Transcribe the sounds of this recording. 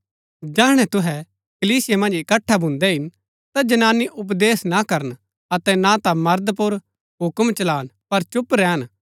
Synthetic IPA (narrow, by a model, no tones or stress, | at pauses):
d͡ʒaːɦɽ̃ɛt̪ʊɦɛ | kɐliːsɪjemɐ̃nd͡ʒɪkɐʈʰːabʱʊ̃nd̪ɛɦɪn | t̪ad͡ʒɐnaːniʔʊp̬d̪eːsnakɐɾən | ɐt̪ɛnat̪amɐɾd̪pʊɾ | ɦʊkmt͡ʃɐlaːnpɐɾt͡ʃʊpɾɛːən